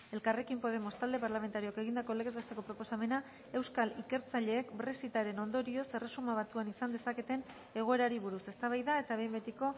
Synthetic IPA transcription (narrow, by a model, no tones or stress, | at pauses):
e̞lkare̞kimpo̞ð̞e̞mo̞st̪ald̪e̞paɾlame̞nt̪aɾioke̞ɣind̪ako̞leɣezast̪eko̞pɾo̞po̞same̞na | e̞wskalike̞ɾt͡saʎe̞ːkbɾe̞sit̪aɾe̞no̞nd̪o̞ɾio̞se̞re̞sumaβ̞at̪uanisand̪e̞sake̞t̪e̞n | e̞ɣ̞o̞e̞ɾaɾiβ̞uɾuse̞st̪aβ̞ajðae̞t̪aβe̞mbe̞t̪iko̞